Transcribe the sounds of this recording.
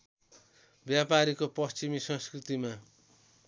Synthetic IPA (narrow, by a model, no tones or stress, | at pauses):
bjapaɾikopʌst͡ɕimisʌ̃nskrit̪ima